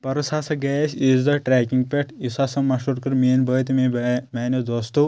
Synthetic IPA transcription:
pɐɾɐsasɐɡɛsizd̪ɐʈɾɛːkiŋɡ̚peʈisasɐmɐʃuɾkɐɾmiːnbəːt̪mibmaːnɐd̪ɐst̪u

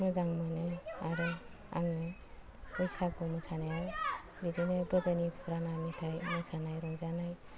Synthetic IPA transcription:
mɯzaŋmɯnɯaɾɯ | a̰ŋɯ | ɯjsakɔmɯsanajaw | bidinɯdɔdɯnipʰuɾanamitʰajmɯsanajɾɔŋzanaj

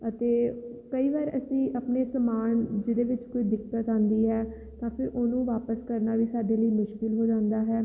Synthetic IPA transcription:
ət̪eːkəiːʋaːɾəsĩːʔəpneːsəmaːnd͡ʒɪd̪eːʋɪt͡ʃkoiːd̪ɪktət̪ãːnd̪iːɦɛː | t̪ãːpʰɪɾʔoːnũːʋaːpəskəɾnaːʋiːsaːɖeːləiːmʊʃkɪlɦoːd͡ʒãːnd̪aːɦɛː

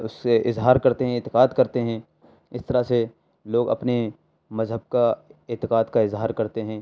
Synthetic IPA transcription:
ʊskeʔɪzɦaːɾkɐɾt̪eɦɛ̃ɪt̪ɪqaːd̪kɐɾt̪eɦɛ̃ | ɪst̪ɐɾase | loːɡɐ̰pne | mɐzɦəb̚kaɪt̪ɪqaːd̪kaɪzɦaːɾkɐɾt̪eɦɛ̃ː

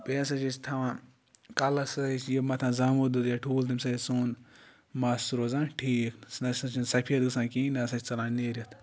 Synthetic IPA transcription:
peːs̬ɐt͡ʃit͡ʃt̪ʰɐʋãː | kɐlɐsɐt͡ʃjemɐt̪ʰãːzɐmud̪ɨt̪jaʈʰuːlt̪ɐmʲsɐsuːn | masuɾoːzãːnʈʰiːksnɐsɐt͡ʃinsɐpʰiɐt̪ɡɨsãːkiːnɐɐsɐt͡ʃt͡sɐlãːneːɾʲɐt̪

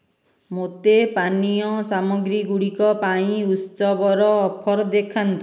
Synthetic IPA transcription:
mot̪epaniɔsamɔɡɾiɡuɽikɔpaĩutsɔbɔɾɔːpʰɔɾd̪ekʰant̪u

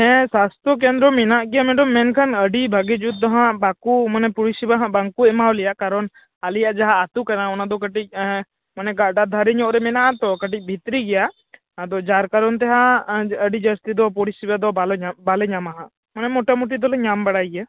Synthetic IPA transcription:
ɦɛ̃sast̪ʰɔk̬ɛnd̪ɾɔmɛnaʔɡɛjamɛɖɔmːɛnkʰanəɖibʱaɡɛd͡ʒut̪̚d̪ɔɦãʔbakumanɛpuɽisibaɦãbaŋkuɛmawlɛjaʔkaɾɔn | alijaʔd͡ʒaɦaːt̪ukanaɔnad̪ɔkəʈic̚ | manɛɡaɖad̪ʱaɾɛɲɔʔɾɛmɛnaʔat̪ɔkəʈic̚ˀbʱit̪ɾiɡɛjaʔ | ad̪ɔd͡ʒaɾkaɾɔnt̪̬ɛɦãəɖid͡ʒəst̪id̪ɔpuɽisibad̪ɔalbalɛɲamaɦãʔ | manɛmɔʈamuʈ̬id̪ɔlɛɲambaɽajɡa

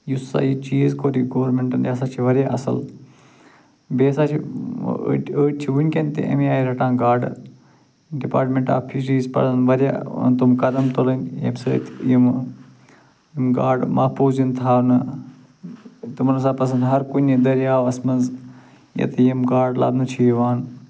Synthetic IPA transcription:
jusa̰it͡ʃiːzkoːɾiɡoːɾmeɳʈɐnd̪ʲjasaːt͡ʃʰiʋɐɾʲjaːʔɐsɐ̰l | beːsaːt͡ʃʰḭ | əːʈ̚t͡ʃʰiʋunʲkent̪ḛʔɐ̰miaːiɾɐʈãːɡaːɖ | ɖipa̰ːʈmẽɳʈa̰ːpʰiʃiːzpɐ̰ɾɐnʋɐɾja̰ːt̪umkɐd̪ɐmt̪olɐnjɐ̰msət̪ʰḭjəm | mɡaːɾɖmaːpʰuːzint̪ʰaːnɐ | t̪umnɐsãːpɐs̬ɐnd̪ɦɐɾkunid̪ɐɾjaːʋɐsmɐnz | jɐ̰t̪ɐiɐmɡaːɾɖla̰ːb̪nɐt͡ʃʰiʋaːn

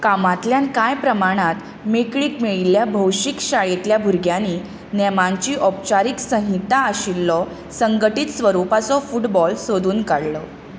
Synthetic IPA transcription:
kamat̪ljankajpɾəmaɽ̃at̪ | mekɭiːkmiɭilːjabʱəwɕikɕaɭet̪ljabʱuɾɡjani | nɛmãɲt͡ɕiːʔɔp̚t͡ɕaɾiːksə̃ɦit̪aːɕilːɔ | səŋɡəʈiːt̪sʋəɾupat͡sɔfuʈbɔlsod̪ʱuːnkaɽlɔ

